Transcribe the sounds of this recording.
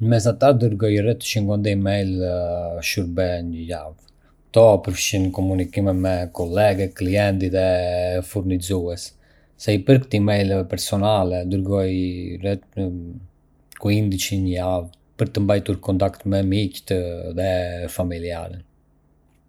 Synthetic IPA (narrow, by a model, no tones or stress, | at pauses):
əmɛsat̪ad̪əɾɡɔjrɛt̪ə̥ʃiŋɡɔnd̪ɛimɛjl | ʃuɾbɛɲəjav | t̪ɔpəɾfəʃinkɔmunikimɛmɛkɔlɛɡɛkliɛnt̪iðɛfuɾnizuɛsː | ɛipəɾkət̪imɛjlɛvɛpɛɾsɔnalɛd̪əɾɡɔjrɛt̪ | kuind̪it͡ʃiɲəjav | pəɾt̪əmbajt̪uɾkɔnt̪akt̪mɛmict̪ðɛfamilia̰ɾən